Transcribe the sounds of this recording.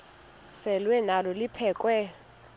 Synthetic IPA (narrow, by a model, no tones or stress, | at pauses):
sɛlwɛnalɔlipʰɛːkʼwɛ